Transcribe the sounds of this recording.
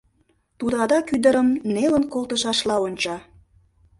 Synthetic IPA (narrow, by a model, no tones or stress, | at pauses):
t̪ud̪ɑd̪ɑkyd̪əɾəmnelənkolˠt̪əʃɑʃlɑonʲt͡ɕɑ